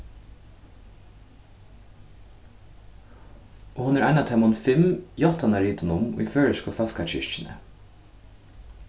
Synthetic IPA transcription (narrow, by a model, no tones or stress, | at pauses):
ɔːhʊnæɾʔænat̪ʰɛmʊnfɪmjɔt̪anɑɾiːt̪ʊnʊmʊ̰iføːɹəʃkɔfɑskat͡ʃɪ̰ʃt͡ʃɪnə̰